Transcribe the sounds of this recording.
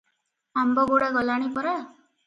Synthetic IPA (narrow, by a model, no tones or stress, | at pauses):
ambɔɡoɽaɡɔlaɽ̃ipɔɾa